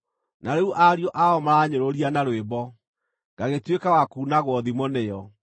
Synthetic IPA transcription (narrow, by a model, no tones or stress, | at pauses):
naɾeuʔaɾiɔʔaɔmaɾaːɲoɾoɾianaɾwebɔ | ŋɡ̥aɣetwekawakunaɣwɔðimɔnejɔ